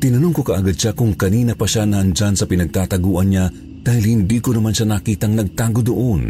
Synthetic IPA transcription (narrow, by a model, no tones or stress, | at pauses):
t̪ɪnɐnoŋko̞kɐʔaɡad̪̚ʃakʊŋkɐniːnɐpɐʃanɐhɐnd͡ʒansɐpɪnɐɡ̚t̪aːt̪ɐɡuːʔɐnɲa | d̪̥aːhilhɪnd̪iːkonɐmanʃanɐkiːt̪ɐŋnɐɡ̚t̪aːɡod̪oʔon